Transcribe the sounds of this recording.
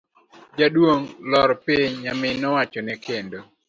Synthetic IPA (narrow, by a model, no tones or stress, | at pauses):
d͡ʒadwoŋlɔɾpiɲːamɪnɔwat͡ʃɔnɛkendo